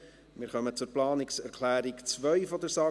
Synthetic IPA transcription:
mɪːɾχœmət͡sʊɾplɑːnɪksɛɾkʰlæːɾikt͡svœʏfɔd̪əɾsɑː

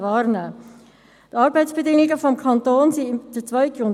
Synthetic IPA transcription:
ʋɑːɾnæː | t̪ɑːɾbɛɪtt͡sb̥ɛdɪŋɪɡəfɔmkʰɑnt̪oːnsid̥ət͡sʋœʏɡ̥ʊn

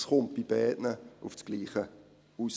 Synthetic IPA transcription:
sχʊnt̚b̥ib̥ɛːdnəufsɡ̥liːχə | us

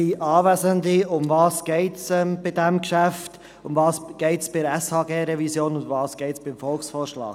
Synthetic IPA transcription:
iʔɑːvæzəndiʊmvɑːsɡ̥ɛɪtsɛmb̥ɪdɛmkʃæft | ʊmvɑːsɡ̥ɛɪtsb̥ɪɾɛshɑːɡeːɾɛvisjoːnʊndvɑːsɡ̥ɛɪtsb̥ɪmfɔlksfoːɾʃlɑ̰ːɡ̥

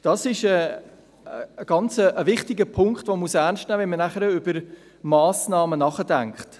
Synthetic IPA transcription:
d̥ɑsɪʃə | ɡ̥ɑnt͡səʔːvɪχtɪɡəpʰʊŋkχtvomusæɾnʃtnæːvɛnmənæχəɾəʏb̥əɾ | mɑːsnɑːmənɑχədæŋkχt

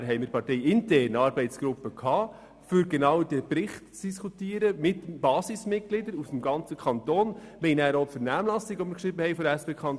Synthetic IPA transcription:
ɦɛɪmɪɾpʰɑɾtɛɪɪntɛːɾnɑːɾbɛɪtsɡ̥ɾʊpːəkʰɑː | fʏɾɡɛnɑːwdɛpɾɪχtt͡sd̥iskutiːəɾəmɪtb̥ɑːsɪsmɪt̚ɡ̥lɪdəɾusmɡɑnt͡səkʰχɑnt̪oːnmɛɪnæːɾotfɛɾnæːmlɑsiɡʋɔmɪɾkʃɾɪbəhɛɪfɔdæspeːkʰχɑnt

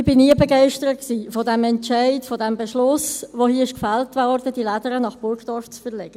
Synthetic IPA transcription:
ɪb̥ɪniəbɛɡɛɪʃtəɾət̚ksiːfodɛmɛnt͡ʃɛɪtfodɛmbəʃlʊsʋoːhiəɪʃkfæltvɔɾdədilædəɾənɑχb̥ʊɾkd̥ɑft͡sfəlɛɡ̥ə

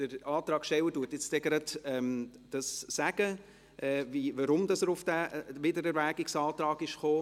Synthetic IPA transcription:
d̥əɾɑːt̪ɾɑːkʃtɛwətuətjɪt͡stɛɡ̥ɾɑdɛmd̥ɑsːæɡ̥ə | ʔɛviʋəɾʊmdɑsəɾʊfd̥æːvɪdəɾɛɾʋæːɡɪksɑːtɾɑːɡɪʃχoː

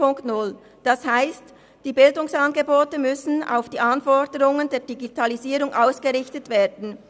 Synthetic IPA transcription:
ʊŋktnʊl | d̥ɑshaɪst | d̥iːbɪldʊŋsɑnɡəboːtəmʏsn̩a̰ʊfd̥iːʔɑnfɔdəʁʊŋəndeːɐd̥iɡitʰɑliziːʁʊŋʔaʊsɡ̥əʁɪçtətv̥eːdn̩

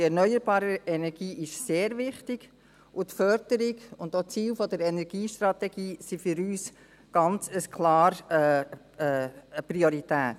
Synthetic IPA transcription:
dɛɾnœʏəɾbɑːɾəɛnɛɾɡ̥iːʔɪʃseːɾvɪχtɪɡ̥ | ʔʊtfœɾd̥əɾɪɡʊndot͡siːlfɔdəɾɛnɛɾɡ̥iːʃtɾɑtɛɡiːsifʏɾyːs | ɡ̥ɑnt͡səskʰlɑːɾ | priɔɾitæːt

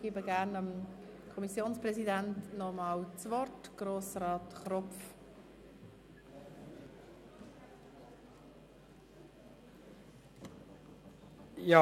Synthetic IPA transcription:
ɡ̥iːbəɡæʁnəm | kʰɔmisjoːnsprɛsidæntnɔmɑːwt͡svɔɾtɡ̥roːsrɑːtχrɔf | jɑ

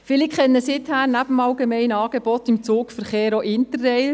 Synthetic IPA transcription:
fɪlikχɛnːəsɪthæːɾnæbəmɑlɡemɛɪnɑːɡ̥eb̥ɔtɪmt͡suːkfəɾχeːɾoʔɪntərːɛɪ

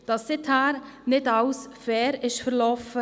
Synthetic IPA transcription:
d̥ɑsːɪthæːɾnɪdɑwsfɛːɾɪʃfəɾlɔfə

